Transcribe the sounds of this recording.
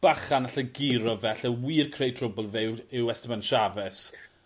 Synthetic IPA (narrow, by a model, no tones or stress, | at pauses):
b̥aχanaɬəɡɪɾɔvɛɬəwiːrkʰrejtʰrʊbɔlˠvɪwɪwɛstmanʃavɛs